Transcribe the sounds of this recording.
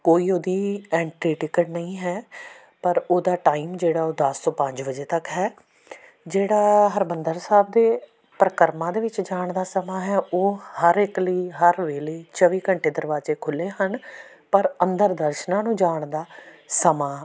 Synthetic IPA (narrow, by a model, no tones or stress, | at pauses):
koːiːoːd̪iːɛːɳʈiːʈɪkəʈnəĩːɦɛː | pəɾoːd̪aːʈaːiːmd͡ʒeːɽaːoːd̪əst̪oːpə̃ɲd͡ʒʋəd͡ʒeːt̪əkɦɛː | d͡ʒeːɽaːɦəɾmənd̪əɾsaːb̚d̪eː | pɾəkəɾmãːd̪eːʋɪt͡ʃd͡ʒaːɳd̪aːsəmãːɦɛːoːhəɾɪkliːɦəɾʋeːliːt͡ʃəʋiːkəɳʈeːd̪əɾbaːzeːkʰʊleːɦən | pəɾənd̪əɾd̪əɾʃənãːnũːd͡ʒaːɳd̪aːsəmaː